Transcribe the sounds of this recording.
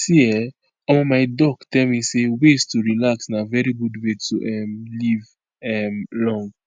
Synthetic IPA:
siɛ | ɔmɔ̃maɪdɔɡtɛlmĩsewestuɹilaksnavɛɹiɡudwetuʔɛmliv | ɛmlɔ̃ŋɡ

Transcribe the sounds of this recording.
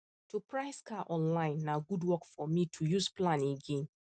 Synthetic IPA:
tʰupʰɹaɪskʰaʔɔ̃nlãɪ̃nːaɡudwɔkfɔmitʰujuzplãneɡẽn

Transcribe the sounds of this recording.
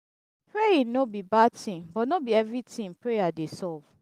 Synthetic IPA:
pɹeĩnobibatĩnbɔtnɔbiɛvɹitĩŋpɹejadesɔv̥

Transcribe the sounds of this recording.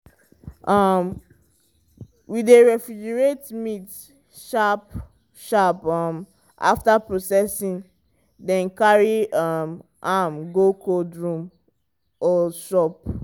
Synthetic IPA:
ʔʌm | wideɹɛfɹid͡ʒɛɹetmit | ʃap | ʃapʌm | ʔa̰ftapɹosɛsĩn | dɛ̃nkaɹiʌm | ʔamɡokodɹũm | ɔʃɔp̚

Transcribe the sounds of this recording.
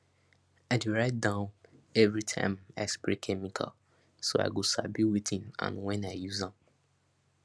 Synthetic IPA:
aɪduɹaɪt̚dãʊ̃nɛvɹitʰã̰ɪ̃ma̰ɪspɹekʰɛmikʰa̰l | soa̰ɪɡosa̰biwitĩnã̰nwɛ̃naɪjuzãm

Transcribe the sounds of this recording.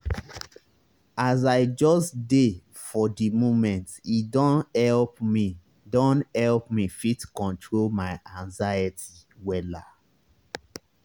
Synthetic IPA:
azaɪd͡ʒɔstde | fɔdimomɛ̃ntidɔ̃nhɛlpmi | dɔ̃nhɛlpmifitkɔ̃ntʰɹolmaɪãŋzajətʰi | wɛla̰

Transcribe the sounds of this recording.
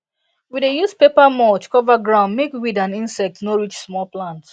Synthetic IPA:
widejuspepamɔlt͡ʃkɔvaɡɹãʊ̃nmekwidãnĩnsɛk̚tnoɹit͡ʃsmɔlplãnt

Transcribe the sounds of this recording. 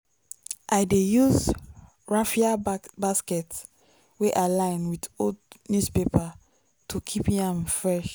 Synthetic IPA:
ʔajdejuz | ɹafiabaskɛt | weʔalãɪ̃nwidodnjuspepa | tʰukʰipĩãmfɹɛʃ

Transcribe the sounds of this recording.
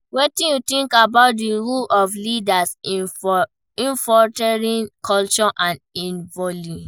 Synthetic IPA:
wetĩnjutĩŋkabaʊt̚diɹulɔflidas | ĩɱfɔtɛɹĩnkʰɔlt͡ʃɔʔãnĩnvɔlĩ

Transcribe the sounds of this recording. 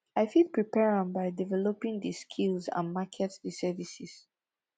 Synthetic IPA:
aɪfit̚pɹipɛɹə̃nbaɪjdivɛlɔpĩŋdiskʰilzã̰nmakʰɛtsdisɛvisis

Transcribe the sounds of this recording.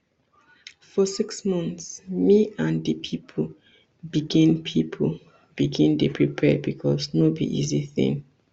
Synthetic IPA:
fɔsiksmɔ̃nθsmiãndipʰipʰ | biɡĩnpʰipʰ | b̥iɡĩndepʰɹipʰɛd̚bikʰɔsnobḭʔiziθḭ̃ŋ

